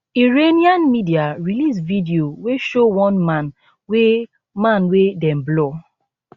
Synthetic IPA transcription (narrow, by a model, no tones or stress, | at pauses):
iɹeniãnmidiaɹilisvidioweʃowɔ̃nmãn | we | mãnwedɛ̃mblɔ